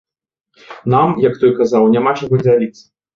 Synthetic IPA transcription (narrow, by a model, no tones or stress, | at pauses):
namjɐkt̪ɔjkazawnʲamat͡ʂɐɣɔd͡zʲalʲit̪sːɐ̥